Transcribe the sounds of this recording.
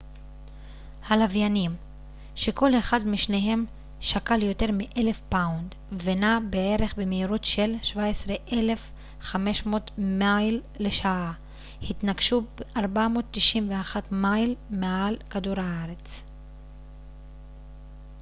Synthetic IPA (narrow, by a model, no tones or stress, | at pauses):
halavjanim | ʃe̞ko̞leχadmiʃneɦe̞m | ʃakaljo̞te̞ʁmiʔele̞fpawnd | venabee̞ʁe̞χbemeiʁotʃe̞lʃvaesʁeʔele̞f | χame̞ʃmo̞tmajlːeʃaʔa | hit̪naɡʃubeʔaʁbamo̞ːtːiʃimveaχatmajlmealkaduʁhaaʁe̞t͡s